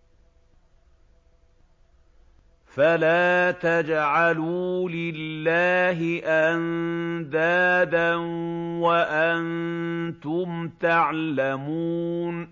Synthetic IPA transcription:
falaːt̪ad͡ʒʕaluːlɪlːaːɦɪʔand̪aːd̪anwaʔant̪ʊmt̪aʕlamuːn

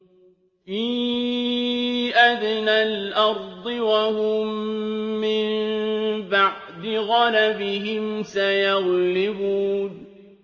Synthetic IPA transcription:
fiː | ʔaðɪnalʔɑɾˤd̪ˤɨwahʊmː | ɪm | baʕ | d̪ɪɣɑlabɪɦɪmsajaɣlɪbuːn

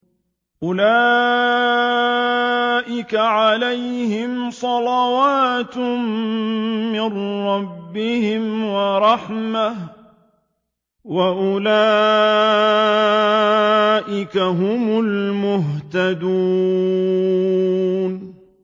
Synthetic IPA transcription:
ʔʊlaː | ʔɪkaʕalajhɪmsˤɑlawaːt̪ | mːɪrɾːɑbːɪhɪmwɑɾˤɑħmah | waʔʊlaː | ʔɪkaɦʊmʊlmʊɦt̪ad̪uː | n

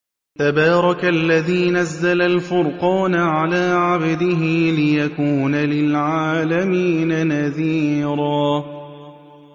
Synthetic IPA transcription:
t̪abɑːɾˤɑkaʔlːaðiːnazːalalfʊɾqɑːnaʕalaːʕabd̪ɪɦɪlɪjakuːnalɪlʕaːlamiːnanaðiːɾˤaː

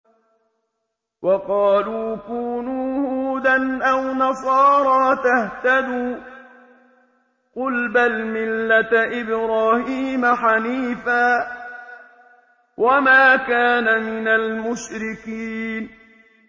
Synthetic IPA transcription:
wɑqɑːluːkuːnuːhhuːd̪anʔawnɑsˤɑːɾˤɑːt̪aht̪ad̪uː | qʊlbalmɪlːat̪ʔɪbɾaːhiːmaħaniːfaː | wʔamaːkaːnamɪnalmʊʃɾɪkiːn

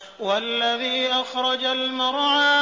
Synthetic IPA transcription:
walːaðiːʔaxɾˤɑd͡ʒalmɪɾˤʕa

